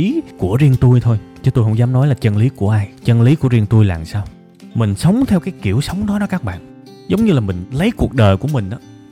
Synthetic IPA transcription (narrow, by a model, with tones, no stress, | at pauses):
i˨˦ku˧˩əzi˧əŋt̪u˧jt̪ʰo˧jt͡ɕɔ˨˦t̪o˧jhə˧˥wŋ͡mzaː˨˦mnɔ˨˦jlaː˨˩t͡ɕə˧nli˨˦ku˧˩əʔaː˧jt͡ɕə˧nli˨˦ku˧˩əɾi˧əŋt̪u˧jla̰ː˨˩msaː˧w | mï˨˩ŋ̟sə˨˦wŋ͡mt̪ʰɛ˧wkaː˨˦jki˧˩əwsə˨˦wŋ͡mɗɔ˨˦ɗɔ˨˦kaː˦˥k̚ɓa̰ː˧˨n | zə˨˦wŋ͡mɲɨ˧laː˨˩mï˨˩ŋ̟lə˨˦jku˨˩ək̚ɗəː˨˩jku˧˩əmï˨˩ŋ̟ʔaː˨˦